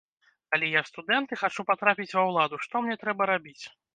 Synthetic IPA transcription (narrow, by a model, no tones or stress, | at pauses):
alʲɛjast̪ud̪ɛnt̪ɨxat͡ʂupat̪ɾapʲit͡sʲvɐwlˠad̪uʂt̪ɔmnʲɛt̪ɾɛbɐɾabʲit͡sʲ